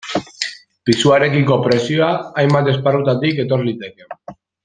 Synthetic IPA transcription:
pisuaɾe̞kiŋko̞pɾe̞sioaːjmbat̪e̞sparut̪at̪ike̞t̪o̞ɾlit̪e̞ke̞

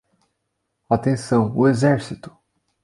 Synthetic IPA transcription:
at̪ẽsɐ̃w̃ʊezɛɾsit̪ʊ̥

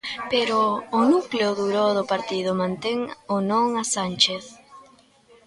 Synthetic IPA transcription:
peɾoːnukleoðuɾoðʊpaɾt̪ið̞ʊmãnt̪eŋonõŋasant͡ʃeθ

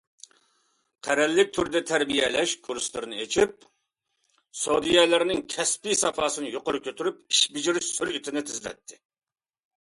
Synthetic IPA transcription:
qʰæɾɛlːɪk̚ʲt̪ʰyɾd̪ɛt̪ʰæɾbijɛlɛʃkʰuɾslˠɨɾɨnɨet͡ʃʰip̚ | sod̪ijɛlɪɾnɪŋkʲʰɛspisɑfɑːsɨnɨjoqʊɾɨkʲøt̪ʰyɾyp̚iʃbid͡ʒiɾsyɾit̪ʰɪnɪt̪ʰɪzlɛ̰t̪ʰːɪ

